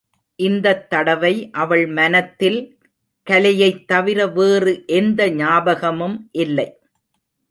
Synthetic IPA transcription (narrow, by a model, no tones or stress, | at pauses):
ʔɪnd̪ɐt̪ːɐɽɐʋɐɪʔɐʋɐɭmɐnɐt̪ːɪl | kɐlɐjɐɪt̪ːɐʋɪɾɐʋeːrɯʔɛnd̪ɐɲaːbɐɣɐmɯmʔɪlːɐɪ